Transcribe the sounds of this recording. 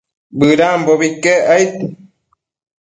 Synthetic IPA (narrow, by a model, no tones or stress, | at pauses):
bɨɾãmboβikeajt̪u